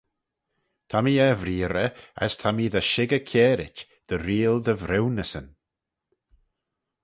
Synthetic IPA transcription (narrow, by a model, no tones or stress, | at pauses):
t̪ʰamiɛvɾiːɾəə̰st̪ʰamiðəʃɪɡəkʰɛːɾɪt͡ʃ | d̪̥əɾiːlˠd̪əvɾɪwnəsən